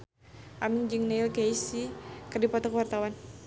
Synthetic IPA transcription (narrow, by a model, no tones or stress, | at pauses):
ʔamind͡ʒɨŋneilkejsikərdipɔt̪ɔkəwart̪awan